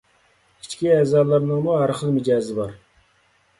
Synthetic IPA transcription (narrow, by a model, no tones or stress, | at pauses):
it͡ʃkʲiɛːzɑɾlˠɑɾnəŋmuɦæɾχəlˠmɪd͡ʒɑːzɪbɑɾ